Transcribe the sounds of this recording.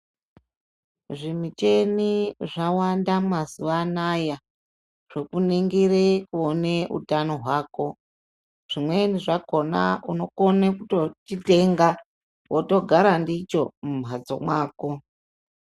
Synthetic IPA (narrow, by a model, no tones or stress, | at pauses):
ʐimit͡ʃe̞niʐawandamazuʋanaja | ʐ̥okuniŋɡirekuoneṵtano̞ɦwaːko̞ | ʐ̥imwe̞niʐako̞na̰ʔuno̞konekutot͡ʃite̞ŋɡa | wʔoto̞ɡʱaɾandit͡ʃo̞mumɦad͡zo̞̰mwaːko